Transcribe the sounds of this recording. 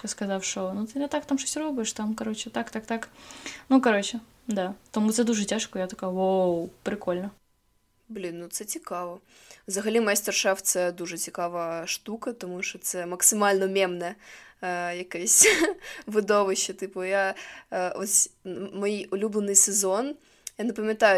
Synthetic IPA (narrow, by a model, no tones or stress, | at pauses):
skɐzafʂonut̪ɨnʲɐt̪akt̪amʂɨsʲɪɾobʊjɪʂt̪amkɐɾot͡ɕɪt̪akt̪akt̪aknukɐɾot͡ɕɪ | d̪at̪ɐmut̪sɛd̪uʐɨtʲaʂkojat̪ɐkawowpɾʲɪkolʲnə | blʲinːut̪sɛt͡sʲɪkavɐ | zɐɣɐlʲimɐjasʲtʲɐrʂaft̪sɛd̪uʐɨt͡sʲɪkavəjəʂt̪ukɐt̪ɐmuʂt̪ɔt̪sɛmɐksʲɨmalʲnɐmʲemnɐjə | jɐkɐjsʲtʲvɨd̪ovɨɕːɐt̪ɨpɐja | vosʲmɐjiʊlʲublʲɪnɨsʲɨzon | janəpəmʲɐt̪ajʊ